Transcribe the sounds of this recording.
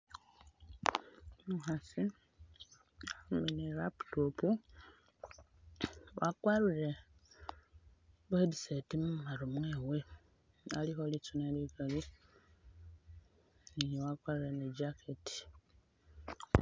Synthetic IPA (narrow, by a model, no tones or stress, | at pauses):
muxasi | meneɾapu̥topu | wa̰kwaɾuɾe | βedisetimumaɾomweːwe̞ | alixolit͡sunelikali | nijewakwaɾuɾeneɟakʰetʰi̥